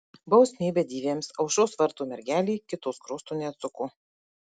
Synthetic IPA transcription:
bɐʊsʲmʲiːbʲɛd̪ʲiːʋʲeːmsɐʊʃoːsʋɐɾt̪uːmʲɛɾʲɡʲæːlʲiːkʲɪt̪uskɾʊst̪uːnʲɛɐt̪sʊkʊ

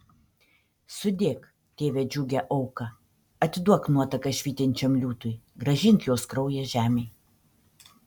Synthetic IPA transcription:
sʊd̪ʲeːk | t̪ʲeːʋʲed͡ʒʲuːɡʲɛʔɐʊkɐ | ɐt̪ʲd̪uɔknuɔt̪ɐkɐʃʲʋʲiːt̪ʲɪnʲt͡ʃʲɛmlʲuːt̪ʊjɡɾɐʒʲɪŋʲkʲjoːskɾɔʊjɛʒʲæːmʲej

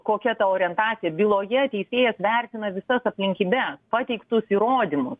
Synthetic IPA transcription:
koːkʲɛt̪ɐoːɾʲɛnt̪ɑːt̪sʲɪjɛbʲilˠoːjɛt̪ʲɛɪsʲeːjɛsʋʲɛrʲt̪ʲɪnɐʋʲɪsɐsɐpʲlʲɪŋʲkʲiːbʲɛspɑt̪ʲɛɪkt̪ʊsiːɾoːd̪ʲɪmʊs

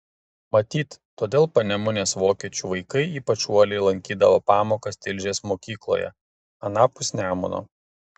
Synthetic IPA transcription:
mɐt̪ʲiːt̪t̪ːoːd̪ʲeːlˠpɐnʲɛmʊnʲeːsʋoːkʲiɛt͡ʃʲuʋɐɪkɐɪiːpɐt͡ʃuɔlʲɛɪlˠɐŋʲkʲiːd̪ɐʋoːpɑːmoːkɐst̪ʲɪlʲʒʲeːsmoːkʲiːklˠo̰ːjɛ̰ | ɐnɑːpʊsʲnʲæːmʊ̰no̰ː

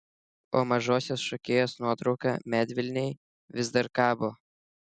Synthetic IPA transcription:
oːmɐʒoːsʲoːsʃɔkʲeːjoːsnuɔt̪ɾɒʊkɑ̰ːmʲæːd̪ʲʋʲɪlʲnʲɛɪ | ʋʲɪzd̪ɐɾkɑːboː

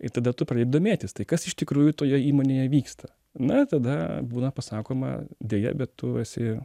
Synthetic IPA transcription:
ɪt̪ɐd̪ɐt̪ʊprɐd̪ʲeɪb̚d̪omʲeːt̪ʲɪst̪ɐɪkɐsɪʃt̪ʲɪkɾuːjʊt̪oːjɛiːmoːnʲeːjɛʋʲiːkst̪ʰɐ | nʊɪt̪ɐd̪ɐbuːnɐpɐsɑːkoːmɐ̰d̪ʲeːjɛ̰bʲɛt̪tːʊɛsʲɪ

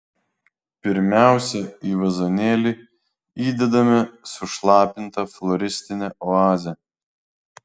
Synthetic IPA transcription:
pʲɪɾʲmʲæˑʊsʲɛiːʋɐzonʲeːlʲi | iːd̪ʲɛd̪ɐmʲɪsʊʃlˠɑːpʲɪnt̪ɐflˠɔɾʲɪsʲt̪ʲɪnʲɛɔɑːzʲɛ

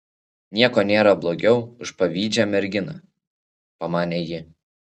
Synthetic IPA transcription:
nʲiɛkɔːnʲeːɾɐblˠoɡʲɛʊʊʃpɐʋʲiːd͡ʒʲɛmʲɛɾʲɡʲɪnɐ | pɐmɑːnʲeːjɪ

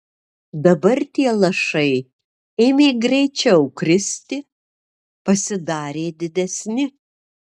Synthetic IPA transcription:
d̪ɐbɐɾt̪ʲiɛlˠɐʃɐɪ | eːmʲeːɡɾʲɛɪt͡ʃʲɛʊkɾʲɪsʲt̪ʲɪ | pɐsʲɪd̪ɑːɾʲeːd̪ʲɪd̪ʲɛsʲnʲɪ

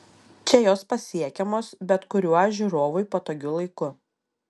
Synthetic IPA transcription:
t͡ʃʲɛjoːspɐsʲiɛkʲɛmoːsbʲɛt̪kʊɾʲuːaʒʲuɾoːʋʊjpoːt̪oːɡʲʊlˠɐɪkʊ

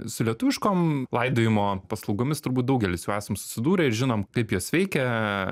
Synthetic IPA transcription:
sʊlʲiɛt̪ʊʋʲɪʃkoːmlˠɐɪd̪oːjɪmoːpɐslˠɐʊɡoːmʲɪst̪ʊɾbuːt̪̚d̪ɐʊɡʲɛlʲɪsjuːæːsɐmsʊ̥sʲɪd̪uːɾʲɛɪɾʒʲɪnoːmkɐɪpjuɔsʲʋʲɛɪkʲɛ

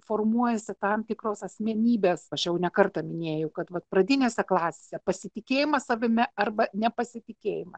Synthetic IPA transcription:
foːrmuɔjɛsʲɪt̪ɐmt̪ʲɪkɾoːsɐsʲmʲɛnʲiːbʲeːsɐʃjɛʊnʲɛkɐrt̪ɐmʲɪnʲeːjɛʊkɐt̪ʋɐt̪̚pɾɐd̪ʲɪnʲeːsʲɛklˠɑːsʲesʲɛpɐsʲɪt̪ʲɪkʲeːjɪmɐssɐʋʲɪmʲɛɐrbɐnʲɛpɐsʲɪt̪ʲɪkʲeːjɪmɐ

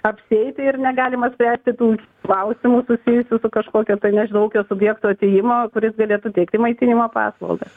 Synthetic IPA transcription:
ɐpʲsʲɪɛɪt̪ʲɪɪrnʲɛɡɑːlʲɪmɐsʲpʲɾʲæːsʲt̪ʲɪt̪uː | klˠɐʊsʲɪmuːsʊsʲɪjʊsʲʊsʊkɐʃkoːkʲoːt̪ɐɪnʲɛʒʲɪnɐʊkʲoːsʊbʲjɛːkt̪oːɐt̪ʲejɪmoːkʊɾʲɪsɡɐlʲeːt̪ʊt̪ʲɛɪk̚t̪ʲɪmɐɪt̪ʲɪnʲɪmoːpɑ̰ːslˠɐ̰lˠɡɐ

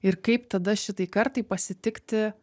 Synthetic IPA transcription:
ɪɾkɐɪpt̪ɐd̪ɐʃʲɪt̪ɐɪkɐɾt̪ɐɪpɐsʲɪt̪ʲɪkt̪ʲɪ

